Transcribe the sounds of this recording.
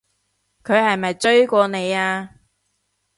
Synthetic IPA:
kʰɵ˨˧ɥhɐ˨jmɐ˨jt͡sɵ˥ɥkʷɔː˧ne˨˧jaː˧

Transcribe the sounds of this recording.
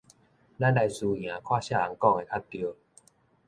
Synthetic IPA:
la˦˥˨nda˧jsuː˧j̃ãː˨˦kʰwaː˥˩˨ɕa˧˥˩a˨˦ŋkɔ˥˧˨ŋa˨˩jkʰa˦˥t̚t̪i˧ə˧

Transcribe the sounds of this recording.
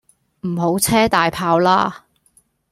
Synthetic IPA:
m̩˨˩ɦo˨˥wt͡sʰɛː˥t̪aː˨jpʰaː˧wlaː˥

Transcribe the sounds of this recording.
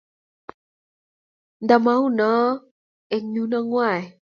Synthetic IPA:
nd̪a˨ma˦u˦na˨˦ | ɛ˨ɲu˦na˧ŋwa˦˨e˨

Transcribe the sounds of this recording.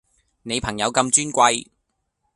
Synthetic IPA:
ne˨˧jpʰɐ˨˩ŋjɐ˨˧wkɐ˧mt͡ʃyː˥nkʷɐ˧j

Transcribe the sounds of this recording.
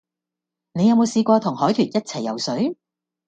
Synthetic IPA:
ne˨˧jɐ˨˧wmo˨˧wsiː˧kʷɔː˧t̪ʰʊ˨˩ŋhɔː˨˥jt̪ʰyː˨˩t̚jɐ˥t̚t͡sʰɐ˨˩jːɐ̰˨˧wsɵ˨˥ɥ

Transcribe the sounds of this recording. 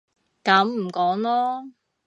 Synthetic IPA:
kɐ˨˥mm̩˨˩kɔː˨˥ŋlɔː˥

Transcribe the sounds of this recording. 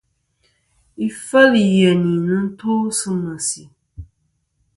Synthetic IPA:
i˨fə˦li˨jɛ˨ni˨nɨ˦n̩˦to˦sɨ˦ma˨si˨

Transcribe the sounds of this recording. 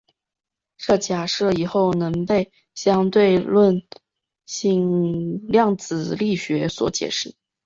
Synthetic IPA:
ʈ͡ʂɤ˥˩t͡ɕja˨˩ʂɤ˥˩i˨˩xo˥˩ʊnɤ˧˥ŋpe˥˩ɪ | ɕjɑ˥ŋt̪we˥˧ɪlwə˥˧n | ɕi˥˩ŋljɑ˥˩ŋt͡sɹ̩˨˩li˥˩ɕɥɛ˧˥swɔ̰˧˥t͡ɕjɛ̰˨˩ʂɻ̩˥˩

